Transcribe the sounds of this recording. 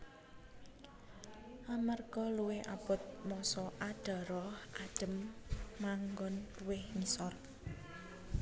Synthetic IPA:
ʔamarɡ̥ɔluweʔab̥ʊt̪̚mɔsɔʔaɖ̥a̤ɾɔhʔaɖ̥ə̤mːaŋɡɔnwehŋisɔr

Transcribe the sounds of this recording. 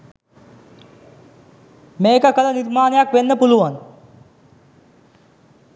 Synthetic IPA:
meːkəkələniɾmaːnəjakʋenːəpuluʋan

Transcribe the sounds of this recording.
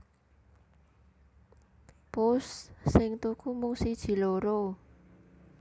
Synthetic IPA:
pʊssɪŋt̪ukʰumʊŋsid̥ʒ̥i̤loɾo

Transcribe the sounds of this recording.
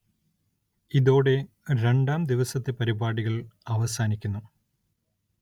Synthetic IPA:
iðo̞ːɽe̞ | ɾe̞ɳɖaːmd̪iʋɐsɐt̪ːepɐɾibaːɽiɣɐɭɐʋɐsaːnikʲːunːu

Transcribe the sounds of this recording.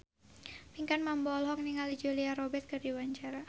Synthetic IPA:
piŋkanmambɔlɦɔkniŋalid͡ʒuliaɾɔbɛt̪̚kərdiwaɲt͡ʃaɾa

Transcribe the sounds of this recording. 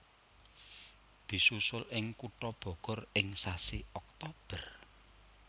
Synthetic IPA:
d̪̥i̤susʊlɪŋkuʈɔb̥ɔ̤ɡ̥ɔ̤rɪŋsasiɔk̚t̪ɔb̥ər

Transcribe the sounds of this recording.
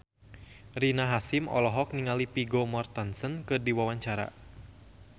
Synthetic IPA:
rinaɦasimɔ̰lɔɦɔk̚niŋalipiɡomɔrt̪ansənkɨrdiwawaɲt͡ʃaɾa̰

